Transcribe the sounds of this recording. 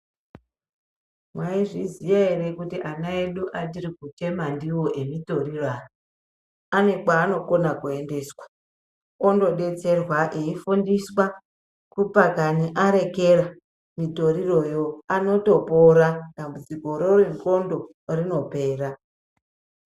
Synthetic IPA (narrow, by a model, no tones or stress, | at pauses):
mwaiʐizijaerekutiʔanae̞ɗuʔadirikute̞mandiwo̞ʔe̞mito̞ɾiroaːno | ane̞kwaːno̞ko̞nakue̞nde̞ːswḁ | ondo̞ɗe̞t͡se̞rwaʔeifundiswa | kupakaniʔaɾe̞ke̞ra | mito̞ɾiro̞jo̞ano̞to̞po̞ɾad̥ambud͡ziko̞ɾoreŋko̞ndo̞ | rino̞pe̞ːra